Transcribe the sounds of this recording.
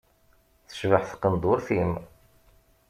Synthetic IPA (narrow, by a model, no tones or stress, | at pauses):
θə̥ʃvəħθqənd̪ˤʊɾθim